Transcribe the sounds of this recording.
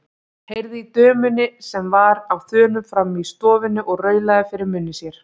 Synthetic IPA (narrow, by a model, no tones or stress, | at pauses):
hejɾðit̪œːmʏnɪsɛmvaɾawθœːnʏmfɾamːist̪ɔːvɪnʏʔɔɣrœːɥlaðʏfɪɾɪɾmʏnːɪsjɛɾ̥